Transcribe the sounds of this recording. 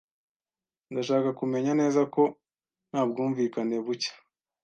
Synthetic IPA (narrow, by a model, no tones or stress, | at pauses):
ndaʃaːkakume̞ɲane̞ːzako̞ | n̥haːb̚ɡuːɱviːkane̞βucḁ